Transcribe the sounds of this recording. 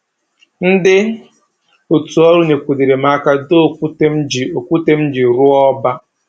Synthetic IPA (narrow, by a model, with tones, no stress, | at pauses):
n̩˦dɪ˦ | o˨tu˨ɔ˦ɾu˦ne˨kʷu˨di˨ɾe˨ma˨˦ka˦do˦˨˦d͡ʒo˨kʷu˦te˦m̩˦d͡ʒi˨ɾʊ˦ɔ˦ba˦